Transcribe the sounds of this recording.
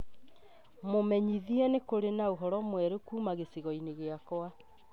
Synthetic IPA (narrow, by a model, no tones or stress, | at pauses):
momɛɲiðiɛnekoɾenaoɦɔɾɔmwɛɾokuːmaɣesiɣɔineɣeakoa